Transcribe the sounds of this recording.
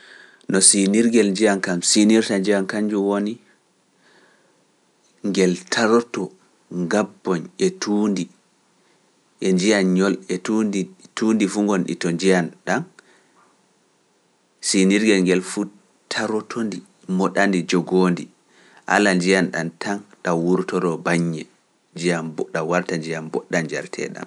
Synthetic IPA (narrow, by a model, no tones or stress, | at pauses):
nɔsiniɾɡɛlɲd͡ʒijankamsiniɾtaɲd͡ʒijankaɲd͡ʒuwoni | ŋɡɛltʰaɾɔtɔ | ŋɡabːɔnɛtuːndi | ʔɛɲd͡ʒijanɲɔlɛtudituːndifuŋɡɔnɗḭtɔɲd͡ʒijanɗan | siniɾɡɛlŋɡɛlfu | tʰaɾɔtʰondi | mɔɗandid͡ʒɔɡoːndi | ʔa̰land͡ʒijanɗa̰ntʰanɗawuɾtɔɾɔbaɲːɛ | ɲd͡ʒijambɔɗawaɾtaɲd͡ʒijambɔɗːand͡ʒa̰ɾtʰɛ̰ɗa̰m